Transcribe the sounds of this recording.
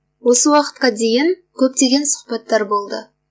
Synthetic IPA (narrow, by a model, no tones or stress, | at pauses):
wo̞səwɑqə̥t̪̚qɑd̪e̞jɪŋ | kʲʰɵp̚t̪e̞ɡʲe̞nsʊ̥qpɑt̪ːɑɾbo̞lˠd̪ə